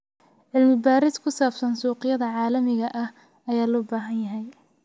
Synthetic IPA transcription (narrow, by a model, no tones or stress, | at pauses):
ʕɪlmɪbaːɾɪskʰʊsaːb̥sɐnsuːqɪjɐðɐʕɑːlɐmɪɣɐʔɐh | ɐjaːlɔːbaːɦɐnjɐɦɛj